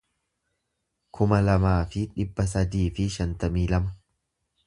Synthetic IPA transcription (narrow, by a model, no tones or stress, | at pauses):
kʰʊmɐlɐmaːfɪᶑɪbːɐs̬ɐd̪iːfɪʃɐnt̪ɐmiːlɐmɐ